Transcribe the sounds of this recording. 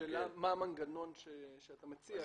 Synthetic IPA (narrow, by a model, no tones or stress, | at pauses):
elamːaːmaŋɡano̞nʃeʃeat̪amet͡sia